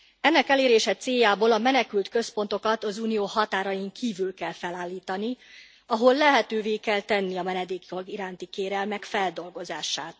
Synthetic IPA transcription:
ɛnːɛkɛleːɾeːʃɛt̪seːjːaːboːlɒmɛnɛkylt̪kø̞spo̞nt̪o̞kɒt̪ɒzuːnijoːhɒt̪aːɾɒjiŋkʰiːvylkɛlfɛlaːlːiːt̪ɒni | ɒɦo̞lːɛɦɛt̪øːveːkɛlt̪ɛnːiɒmɛnɛd̪eːkioɡiɾaːnt̪ikeːɾɛlmɛkfɛld̪o̞lɡo̞zaːʃaːt̪

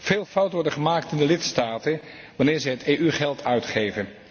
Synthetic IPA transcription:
v̥eːlˠfʌwtʋɔɹdəχəmaːktɪndəlɪtstaːtən | ʋanɪːɹzɛjɦətejʔyχɛlˠtʰœɥtχejvən

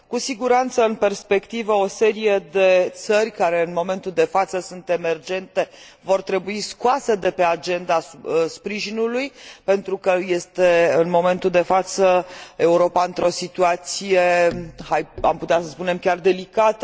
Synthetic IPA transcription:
kusiɡuɾant̪səɨnpe̞rspe̞kt̪ivəo̞se̞ɾije̞d̪e̞t̪sərʲkaɾe̞ɨnmo̞me̞nt̪uld̪e̞fat̪səsunt̪e̞me̞rd͡ʒe̞nt̪e̞vo̞rt̪ɾe̞buiskuase̞d̪e̞pe̞ad͡ʒe̞nd̪aspɾiʒinulujpe̞nt̪ɾukəje̞st̪e̞ɨnmo̞me̞nt̪uld̪e̞fat̪səe̞uɾo̞paɨnt̪ɾo̞sit̪uat̪sije̞haja̰mput̪easəspune̞mkʲard̪e̞likat̪ə

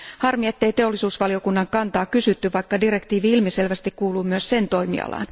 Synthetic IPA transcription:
hɑrmie̞t̪ːe̞jt̪e̞o̞lːisuːsʋɑlio̞kunːɑŋkɑnt̪ɑːkysyt̪ːyʋɑjkːɑdire̞kt̪iːʋiilmiselʋæst̪ikkuːluːmyøsse̞nt̪o̞jmḭɑ̰lɑ̰n

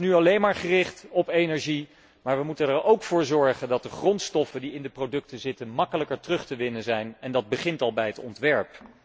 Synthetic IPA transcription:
nyɑlejnmaːɹχərɪχtɔpejnɛɹʒi | maːɹʋəmutənɛɹowkfʊːɹzɔɹχəndɑt̚dəχrɔntstɔfəndiɪndəprowdɵk̚təzɪtənmɑkələkəɹtrɵχtəʋɪnənzɛjnɛndɑd̚bəχɪntɑlˠbɛjɦətɔ̰ntʋɛɹp

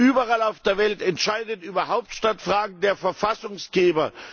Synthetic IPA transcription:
yːbɐʁalaʊfd̥eːɐvɛltɛntʃaɪdətʔyːbɐɦaʊp̚tʃtatfʁ̥aːɡŋ̩deːɐfɛɐfasʊŋsɡ̥eːbɐ

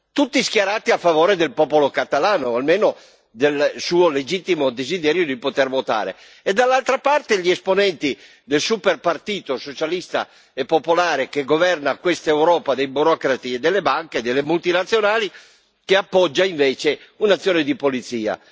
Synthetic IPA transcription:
t̪ut̪ːiskjaɾaːt̪iafːavoːɾed̪elpɔːpolokat̪alaːnoalmeːno | d̪elsuːoled͡ʒit̪ːimod̪ezid̪ɛːɾjod̪ipot̪ɛrvot̪a̰ːɾḛ | ed̪ːalːalt̪ɾapart̪eʎiɛsponɛnt̪i | d̪elsuperpart̪iːt̪osot͡ʃalist̪a̰ | epːopolaːɾekeɡovɛrnakwest̪aewɾɔːpad̪ejbuɾɔːkɾat̪ied̪ːelːebaŋked̪elːemult̪inat̪sːjonaːli | keapːɔd͡ʒːaiɱveːt͡ʃeunat̪sːjɔːned̪ipolit̪siːa̰

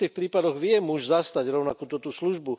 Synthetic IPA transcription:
iːxpɾiːpad̪ɔɣʋɪɛmuʒzast̪aɟɾɔʊnakuːt̪ɔt̪usluʒbu

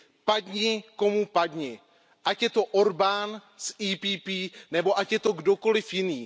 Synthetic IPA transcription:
padɲɪko̞mupadɲɪ | ʔacjɛt̪o̞ʔo̞ɾbaːnsiːpiːpiːnɛbo̞ʔacjɛt̪o̞ɡdo̞ko̞lɪfjɪniː

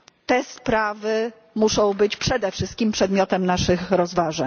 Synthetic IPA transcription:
t̪ɛspɾavɘ | muʂɔ̃w̃bɘt͡ɕpʂɛd̪ɛfʂɘst̪̚kʲimpʂɛd̪mʲjɔt̪ɛmnaʂɘxɾɔzvaʐɛɲ

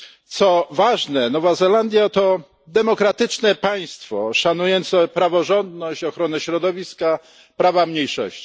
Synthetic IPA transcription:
t̪sɔvaʐnɛnɔvazɛland̪ʲjat̪ɔ | d̪ɛmɔkɾat̪ɘt͡ʂnɛpaj̃st̪fɔ̰ʂanujɔnt̪sɛpɾavɔʐɔnd̪nɔɕt͡ɕɔxɾɔnɛɕɾɔd̪ɔvʲiska | pɾavamɲejʂɔ̰ɕt͡ɕi̥

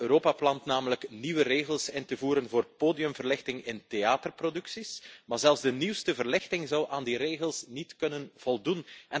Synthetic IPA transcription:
øːɾoːpaplɑntnaːmələkniwəreːɣəlˠsɪntəvuːɾənvoːrpoːdijɵmvərlɪxtɪŋɪnteaːtərprodʏksismaːrzɛlˠfzdəniwstəvərlɪxtɪŋzɑwʔaːndiɾeːɣəlˠsnitkɵnənv̥ɔlˠdunɛ

